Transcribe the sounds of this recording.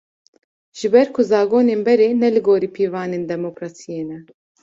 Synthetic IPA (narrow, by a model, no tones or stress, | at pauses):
ʒ̥ɨbɛɾkʰuzɑːɡoːneːnbɛɾeːnɛlɨɡoːɾiːpʰiːvɑːneːnd̪ɛmokɾɑːsijeːnɛ